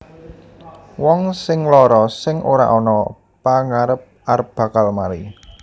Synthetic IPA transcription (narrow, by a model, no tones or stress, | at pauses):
wɔŋsɪŋlɔɾɔsɪŋʔoɾa̰ʔɔnɔ | paŋaɾəp̚ʔaɾəp̚b̥ä̤kalmaɾi